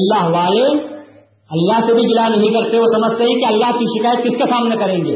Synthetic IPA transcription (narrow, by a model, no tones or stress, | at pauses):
ɐlːaɦʋaːle | ɐlːaɦsebʱiɡɪlanɐɦĩkɐɾt̪eosɐməd͡ʒʱt̪eɦikiɐlːaɦkiʃɪkaːjət̪̚kɪskesaːmɪnekɐɾẽːŋɡḛː